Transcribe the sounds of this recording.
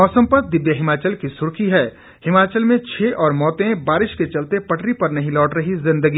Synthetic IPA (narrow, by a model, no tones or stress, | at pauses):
ɔːsə̃mpət̪̚d̪ɪʋjəɦɪmaːt͡ʃəlkisʊɾkʰiɦɛː | hɪmaːt͡ʃəlmẽt͡ʃʰeːʔɔːɾmɔːt̪ẽbaːɾɪʃket͡ʃɐlt̪epɐʈɾipɐɾnɐɦĩlɔːʈɾɐɦizɪ̃nd̪əɡi